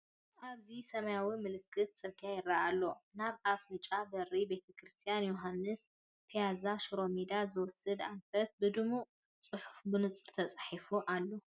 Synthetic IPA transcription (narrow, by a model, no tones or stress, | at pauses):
ʔaβzisɐmɐjawimɨlɨkʰːɨt̪̚t͡sʼɨkʰajɪraʔːlːo̞naβʔafɾɨt͡ʃʼabɐribe̞t̪ʰɐkʰɾɨst̪ʰijanjoɦanːɨs | pʰijazaʃɾo̞mid̪azɨwɔsɨd̪anfɐt̪̚bɨd̪ɨmu | t͡sʼɨħufbɨnɨt͡sʼɨɾt̪ʰɐt͡sʼħifuʔalːo